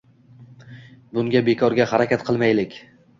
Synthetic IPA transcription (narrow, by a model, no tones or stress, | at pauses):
bʊŋɡʲabekʰɒɾɡʲahaɾakʲat̪qʰɨlˠmajlɪkʲ